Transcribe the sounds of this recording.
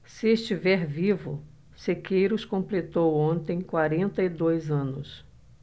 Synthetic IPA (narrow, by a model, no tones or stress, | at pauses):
sɪest͡ʃivɛɾvivʊ | sekejɾʊskõmplet̪owõnt̪ẽj̃kwaɾẽnt̪ɐid̪ojzɐ̃nʊs